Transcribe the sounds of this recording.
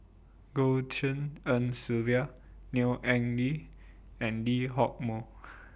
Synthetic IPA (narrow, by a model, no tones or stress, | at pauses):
ɡotʰə̃nə̃nsilvia | niʔɛ̃ŋdi | ɛ̃ndiɦɔk̚mo